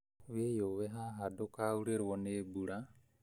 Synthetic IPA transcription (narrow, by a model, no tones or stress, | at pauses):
wɛjɔwɛɦaɦadɔkauɽɛɾwɔnɛbuɽa